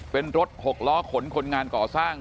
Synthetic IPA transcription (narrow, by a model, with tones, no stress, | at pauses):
pe˧nɾo˦˥t̪̚ho˨˩k̚lɔː˦˥kʰo˩˦nkʰo˧nŋaː˧nkɔː˨˩saː˥˩ŋ